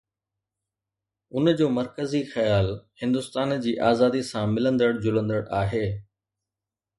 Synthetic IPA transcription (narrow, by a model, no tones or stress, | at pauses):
ʊnd͡ʑoːmɐɾkəzixɐjaːlhɪ̃nd̪ʊst̪aːnd͡ʑiːʔaːzaːd̪isãmɪlə̃nd̪əɽd͡ʑʊlə̃nd̪əɽaːɦeː